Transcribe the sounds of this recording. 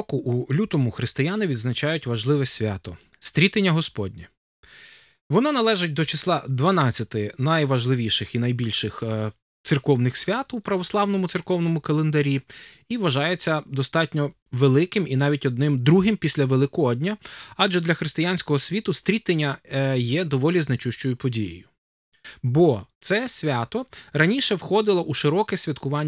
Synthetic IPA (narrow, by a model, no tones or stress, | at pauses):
ɔkʊʔulʲut̪ɔmʊxɾɪst̪ɪjanɪʋʲid̪znɐt͡ʃɑjʊtʲʋɐʒlˠɪʋɛsʲʋʲa̰t̪ɔ | st̪ʲɾʲit̪enʲːɐɦɔspɔdʲnʲi | ʋɔnɔnɐlˠɛʒɪt̚ʲd̪ɔt͡ʃɪslˠɑd̪ʋɐnɑt͡sʲːɐt̪ɪnɐjʋɐʒlˠɪʋʲiʃɪxinɐjbʲilʲʃɪx | t̪sɪrkɔwnɪxsʲʋʲɑt̪upɾɐʋɔslˠɑwnɔmʊt̪sɪrkɔwnɔmʊkɐlˠend̪ɐɾʲi | iʋɐʒɑjet͡sʲːɐd̪ɔst̪ɑtʲnʲɔ | ʋelˠɪkɪminɑʋʲitʲɔd̪nɪmd̪ɾuɦɪmpʲisʲlʲɐʋelˠɪkɔdʲnʲɐɑd͡ʒɛd̪lʲɐxɾɪst̪ɪjanʲsʲkɔɦɔsʲʋʲit̪ʊst̪ʲɾʲit̪enʲːɐjɛd̪ɔʋɔlʲiznet͡ʃuʃt͡ʃɔjʊpɔdʲijɪ̰jʊ | bɔt̪sɛsʲʋʲɑt̪ɔɾɐnʲiʃɛwxɔd̪ɪlˠɔʔuʃɪɾɔkɛsʲʋʲɐt̪kʊʋɑnʲː